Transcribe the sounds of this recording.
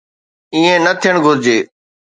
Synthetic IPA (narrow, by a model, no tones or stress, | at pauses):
iːẽnət̪ʰijəɽ̃ɡʱʊɾd͡ʑeː